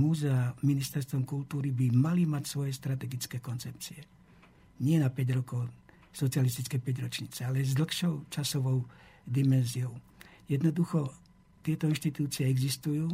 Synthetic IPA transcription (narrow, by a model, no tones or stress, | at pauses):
muːzɛaminist̪ɛɾst̪ʋɔmkult̪uːɾibimalimacsʋɔjɛst̪ɾat̪ɛɡit͡skɛːkɔnt͡sɛp̚t͡siɛ | ɲɪɛnapɛɟɾɔkɔʊ | sɔt͡sialist̪it͡skɛjpɛɟɾɔt͡ʃɲiːt͡sɛalɛzd̪l̩xʃɔʊt͡ʃasɔʋɔʊd̪imɛnziɔʊ | jɛd̪nɔd̪uxɔ | t̪ɪɛt̪ɔinʃt̪it̪uːt͡siɛɛɡzist̪ujuː